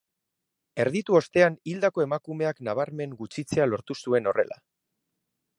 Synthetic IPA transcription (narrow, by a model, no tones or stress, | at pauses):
e̞ɾðit̪uo̞st̪e̞anild̪ako̞e̞makume̞aknaβ̞aɾme̞ŋɡut͡ʃit͡se̞alo̞ɾt̪usue̞no̞re̞̰la̰